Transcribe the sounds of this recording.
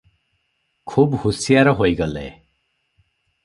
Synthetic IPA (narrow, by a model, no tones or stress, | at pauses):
kʰubhusijaɾɔɦojɡɔlḛ